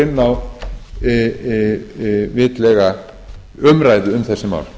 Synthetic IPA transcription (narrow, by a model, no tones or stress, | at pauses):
ɪnːaw | vɪːt̪lɛːɣa | ʏmɾaːjðʏʏmθɛsːɪma̰ːwl